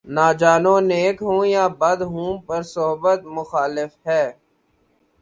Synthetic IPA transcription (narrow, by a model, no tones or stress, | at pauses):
naːd͡ʒaːnõːneːkɦũːjaːbəd̪ɦũːpəɾsʊɦbət̪mʊxaːlɪfɦɛː